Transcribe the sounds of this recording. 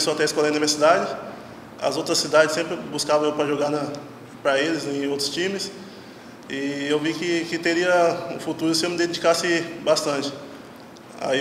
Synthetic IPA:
soat̪ɛiskɔlɐ̃nem̃ɐsid̪ad͡ʒɪ | ɐ̰zowt̪ɾɐsːid̪ad͡ʒɪsẽmpɾɪbuskavɐ̃ewpɾɐʒoɡanɐ | pɾɐelɪzẽj̃owt̪ɾʊ̥st͡ʃĩmɪs | ɪewvikɪkɪt̪eɾiɐʊ̰fut̪uɾʊsɪemɪd̪ẽd͡ʒikasɪbast̪ɐ̃t͡ʃɪ̥ | a̰i

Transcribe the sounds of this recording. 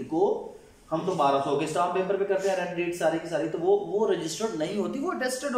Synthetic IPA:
ko | hɐmt̪obaːɾãsoɦoːɡesʈaːppẽːmpəɾpẽkɐɾt̪ẽɦɛ̃ɾɛ̃ʈɖeːʈsaːɾikisaːɾit̪oʋoʋoɾɪd͡ʒɪsʈəɾɖnɐɦĩɦoːt̪iʋoəʈɛːsʈəɖ

